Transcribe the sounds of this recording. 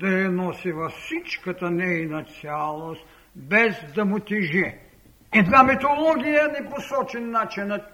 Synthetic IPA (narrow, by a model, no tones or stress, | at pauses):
d̪ɐjɛnɔsivɐfsit͡ʃkət̪ɐnɛjnɐt̪sʲjalˠost̪ | bɛzd̪ɐmʊt̪ʲiʒɛ | id̪vamit̪olˠɔɡʲijɐnɛposɔt͡ʃɛnːat͡ʃinət̪̚